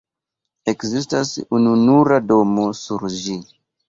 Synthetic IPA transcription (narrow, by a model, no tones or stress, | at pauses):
e̞kzistasununuɾado̞mo̞suɾd͡ʒi